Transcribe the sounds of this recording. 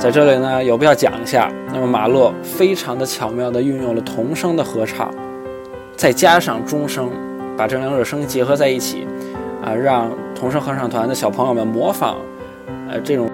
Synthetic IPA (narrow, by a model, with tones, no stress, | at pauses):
t͡sa˥˧ɪʈ͡ʂɤ˥˧li˧˥˩nə˧jo˨˩pu˧˥jɑ˥˩ʊt͡ɕjɑ̰˨˩ŋi˧˥ɕja̰˥˩ | na˥˩mə˩ma̰˨˩lwɔ˥˩ | fe˥ɪʈ͡ʂʰɑ˧˥ŋd̪ə˧t͡ɕʰjɑ˨˩ʊmjɑ˥˩ʊd̪ə˩y˥˧njʊ˥˩ŋlə˩t̪ʰʊ˧˥ŋʂɤ˥ŋd̪ə˨xɤ˧˥ʈ͡ʂʰɑ̰˨˩˦ŋ | t͡sa˥˩ɪt͡ɕja˥ʂɑ˥˩ŋʈ͡ʂʊ˥ŋʂɤ˥ŋ | pa˨˩ʈ͡ʂɤ˥˩ljŋɻɤ˥˩ʂɤ˥ŋt͡ɕjɛ˧˥xɤ˧˥t͡sa˥˧ɪi˥˩t͡ɕʰḭ˨˩˦ə̰˧ɻɑ˥˧ŋt̪ʰʊ˧˥ŋʂɤ˥ŋxɤ˧˥ʈ͡ʂʰɑ˨˩ŋt̪ʰwa˧˥nd̪ə˧˩ɕjɑ˨˩ʊpʰɤ˧˥ŋjo˧˩mə˥˩nmwɔ˧˥fɑ̰˨˩˦ŋ | ə̰˧ʈ͡ʂɤ˥˩ʈ͡ʂʊ˨˩ŋ